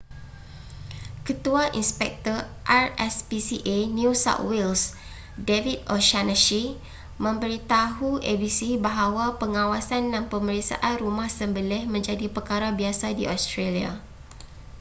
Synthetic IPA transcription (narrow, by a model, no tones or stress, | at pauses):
kət̪uaʔḭnspɛk̚t̪ɔr | ʔarɛspisiʔenusa̰t̪wils | devit̪̚ɔʃanəʃi | mə̃mbəɾit̪aɦuʔebisibaɦawapəŋãwasandanpəməɾiksa̰ʔanrumahsəmbəlɛhmə̃ɲd͡ʒadipərkaɾabiasadiʔost̪ɾelia̰